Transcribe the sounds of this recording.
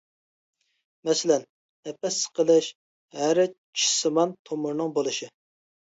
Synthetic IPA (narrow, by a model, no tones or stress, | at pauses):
mɛsɪlɛn | ɛpːɛsːə̥qəlˠɨʃ | hæɾɪ | t͡ʃʰi̥sɨmɑnt̪ʰomuɾnɨŋbolˠɨʃɨ